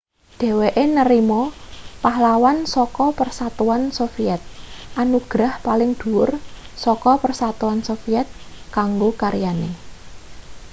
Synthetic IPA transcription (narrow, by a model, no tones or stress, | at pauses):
ɖ̪̥ɛ̤weʔenəɾimɔpaɦlawansɔkɔpərsat̪uansofiɛt̪̚ʔanuɡ̥ɾahpalɪŋd̪̥ṳʊrsɔkɔpərsat̪uansofiɛt̪̚ | kaŋɡokaɾijanḛ